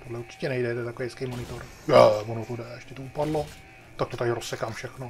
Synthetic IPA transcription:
t̪odlɛuɾt͡ʃɪ̥cɛnɛjdɛjt̪ɛt̪akoejskɛjmonɪt̪oɾ | jɛmonukudɛɛʃcʲɛt̪oupadlo | t̪ak̚t̪ot̪aɾɾosːɛkaːmfʃɛxno

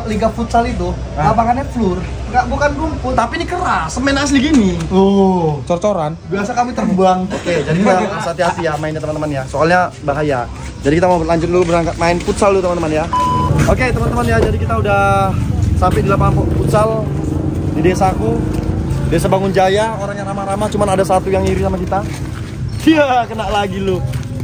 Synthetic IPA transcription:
liɡafut̪salit̪̬u | apakanɲaflʊr | ɡaʔbukanɡumpʊt̪apinikəɾasəmɛnas̬diɡiniot͡ʃɔrt͡ʃoɾanbiasakamit̪ərbuaŋoked͡ʒadikit̪akit̪asat̪iasijamaɪnɲat̪əmanəmanjasoalɲabaɦaja | d͡ʒadikit̪amaulaɲd͡ʒʊt̪̚dulubəɾaŋkat̪̚maɪnfut̪saldut̪əmant̪əmanjaoket̪əmant̪əmanjad͡ʒadikit̪audahsampajdilapaŋmpɔʔput̪sal | didesaku | desabaŋʊnd͡ʒajaoɾaŋjaŋramaɾamaht͡ʃumanadas̬at̪ujaŋiɾisamakit̪a | iakənaʔlaɡilʊ

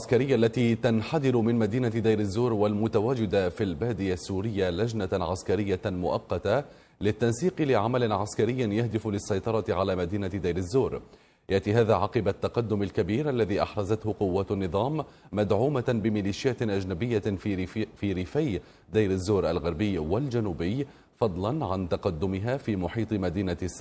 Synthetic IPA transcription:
aʕaskaɾɪjːaʔalːat̪iːt̪anħad̪ɪɾʊmɪnmad̪iːnad̪ajɾazːuːɾwalmʊt̪awaːd͡ʒɪd̪afilbaːd̪ɪjasːuːɾɪjːalad͡ʒnaʕa̰skaɾɪjːamʊʔɑqːɑt̪a | lɪt̪ːansiːqɨlɪʕamalɪnʕaskaɾɪjːɪnjahd̪ɪflɪsːɑjt̪ˤɑɾˤɑt̪ɪʕalaːmad̪iːnad̪ajɾazːoːɾ | jaʔt̪iːɦaːðaːʕɑqɨbat̪ːɑqɑd̪ːʊmalkabiːɾʔalːaðiːʔɑ̰ħɾˤɑzat̪hʊqʊwːaːt̪anːɨðˤɑːmːad̪ʕuːmabɪmɪliːʃɪjaːt̪ʔad͡ʒnabɪjːa | fiːɾɪfaj | d̪ajɾazːoːɾʔalɣɑɾbɪjːwald͡ʒanuːbɪj | fɑd̪ˤlɑnʕant̪ɑqɑd̪ːʊmɪɦaːfiːmʊħiːt̪ˤɨmad̪iːnas

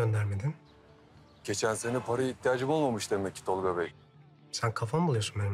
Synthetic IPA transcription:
ønd̪æɾmed̪in | ɟ̥e̞t͡ʃʰænse̞nipʰaɾajit̪ʰːijaːd͡ʒɯmo̞lˠmamɯʃd̪emecʰːi̥t̪ʰolˠɡabɛj | sænkʰafanbulˠujosunmenm

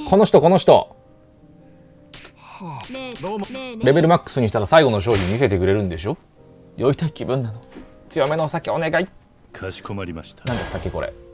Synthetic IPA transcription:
ko̞noçi̥t̪o̞ko̞no̞ɕ̬i̥t̪o̞̰ | h | ɾe̞be̞ɾɯ̟makːɯ̥sɨɲ̟iɕ̬it̪aɾasaiɡo̞no̞ɕ̬o̞ːçĩmʲise̞t̪e̞kɯ̟ɾe̞ɾɯ̟̃nd̪e̞ɕ̬o̞ | jo̞it̪aikʲibɯ̟̃nːanot͡sɨjo̞me̞noːsakeone̞ɡai̥ | komɾi̥nãnd̪ast̪ːakːeko̞ɾḛ

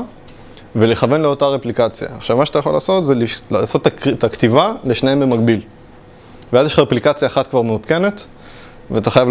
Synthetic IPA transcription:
vele̞χave̞nleo̞taʁeplikat͡sja̰ːχʃavmaʃeatajaχo̞la̰ːso̞tzelilaso̞t̪ːataktivaleʃnaembemaɡ̚bil | veazjeʃχaʁeplikat͡sjaːχat̪̚kvaʁmeut̪ke̞ne̞t | veat̪aχajav

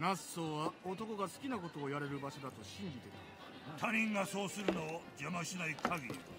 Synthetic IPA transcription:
nasːo̞ːβaot̪o̞ko̞ɡasɨ̥kʲinako̞t̪o̞ːjaɾe̞ɾɯ̟baɕo̞d̪at̪o̞ɕĩɲdʲit̪e̞k̪ | t̪ʰaɲ̟ĩŋɡaso̞ːsɨɾɯ̟nod͡ʑamaɕinaikʰaɡʲiɾʲḭ

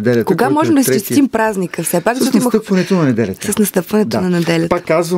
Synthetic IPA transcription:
d̪ɛkoɡamɔʒɛmd̪ɐst͡ʃɛst̪impɾaznikəfsɛpakzɐʃɔt̪ːimət̪əpvɐnɛt̪onɐnɛd̪ɛlʲɐt̪səsnɐst̪ɤpvɐnɛt̪onɐnɛd̪ɛlʲɐt̪əːazvə

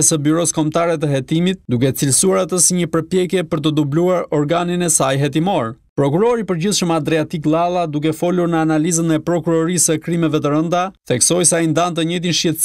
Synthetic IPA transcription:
ɛsəbyɾɔskɔmt̪aɾɛt̪̬əɦɛt̪imit̪̚d̪uk̬ɛt͡silsuaɾat̪əsiɲəpəɾpjɛkjɛpəɾt̪əd̪ubluaɾɔɾɡaninɛsajɦɛt̪̬imɔɾ | pɾɔk̬uɾɔɾipəɾɟiθʃəmad̪ɾɛat̪iklˠalˠad̪uk̬ɛfɔluɾnəanalizənɛpɾɔkuɾɔɾisəkɾimɛvɛt̪̬əɾənd̪aθɛksɔjsaind̪ant̪əɲɛt̪̬inʃcɛt̪

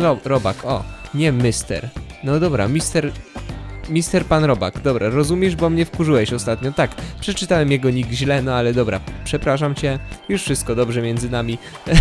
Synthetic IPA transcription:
ɔɾɔbakʰɔɲɛmʲɘst̪ɛ̰ɾnɔd̪ɔbɾa̰mʲist̪ɛɾ | mʲist̪ɛɾpanɾɔba̰kd̪ɔbɾaɾɔzumʲjɛʐbɔmɲɛfkuʐɘwɛɕɔst̪at̪ɲɔt̪akpʂɛt͡ʂɘt̪awɛmjɛɡɔɲiɡʑlɛnɔalɛd̪ɔbɾa̰pʂɛpɾaʂamt͡ɕɛjuʂfʂɘst̪̚kɔd̪ɔbʐɛmʲjɛnd̪zɘnamʲi

